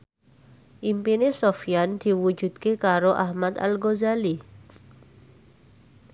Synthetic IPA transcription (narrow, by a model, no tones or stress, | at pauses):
ʔimpinesofijand̪̥i̤wu̥d͡ʒṳd̪̥̚kekaɾoʔahmat̪a̰lɡozali